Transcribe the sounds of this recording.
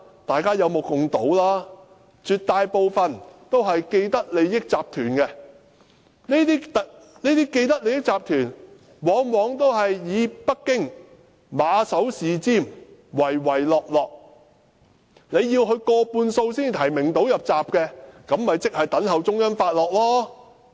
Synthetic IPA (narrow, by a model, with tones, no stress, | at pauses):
t̪aː˨jkaː˥jɐ˨˧wmo˨˧wkʊ˨ŋt̪o˨˥wlaː˥ | t͡ʃyː˨t̚t̪ːaː˨˧jpo˨wfɐ˨nt̪o˥wɦɐ˨jke˧jt̪ɐ˥k̚le˨˧jɪ˥k̚t͡saː˨p̚t̪ʰyː˨˩nkɛ˧ | ne˥t̪iː˥t̪ɐ˨ | neː˥t̪iː˥ke˧jt̪̬ɐ˥le˨˧jɪ˥k̚t͡saː˨p̚t̪ʰyː˨˩n | wɔː˨˥ŋwɔː˨˧ŋt̪o˥wɦɐ˨jːiː˨˧pɐ˥k̚ːɪ˥ŋ | maː˨˧sɐ˨˥wsiː˨t͡siː˥˩mwɐ˨˩jwɐ˨˩jlɔː˨k̚lɔː˨k̚ | le˨˧jiː˧wɦɵ˧ɥkɔː˧puː˧nso˧wsiː˥nt̪ʰɐ˨˩jmɪ˨˩ŋt̪o˨˥wjɐ˨p̚t͡saː˨p̚kɛ˧kɐ˨˥mːɐ˨jt͡sɪ˥k̚hɐ˨jt̪ɐ˨˥ŋɦɐ˨wt͡sʊ˥ŋjɐ˥nfaː˧t̚lɔː˨k̚lɔː˥